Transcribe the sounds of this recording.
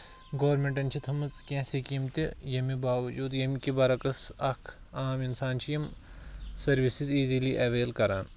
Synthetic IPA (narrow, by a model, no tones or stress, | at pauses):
ɡoːɐɾmeɳʈɐnt͡ʃʰit̪ʰɐmɐzkʲẽːsikimt̪ijɐmibaːʋɐd͡ʒuːd̪jɐmikibɐɾɐkɐsɐkʰ | aːminsaːnt͡ʃʰijɐm | sɐɾʋisiziːziliʔɐʋeːlkɐɾa̰ːn